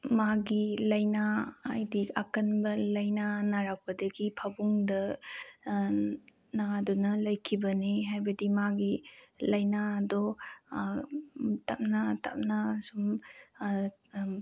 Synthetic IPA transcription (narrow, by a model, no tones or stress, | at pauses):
maɡilɐjnaːjdiakɐnbɐlɐjnanaɾak̚pɐdɐɡipʰabuŋdɐ | nadɔnɐlɐjkʰibɐneɦajbɐdimaɡilɐjnaːdɔ | tap̚nata̰p̚nasum